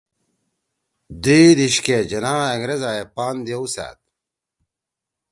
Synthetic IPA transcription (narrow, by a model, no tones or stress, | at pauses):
d̪iːd̪iɕked͡ʑɐnaːeŋɾezaːjepaːnd̪ijeusa̰ːt̪̚